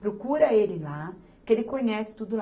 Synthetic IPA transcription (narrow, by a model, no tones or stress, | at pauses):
pɾokuɾɐelɪla | kɪelɪkõɲɛsɪ̥t̪ud̪ʊl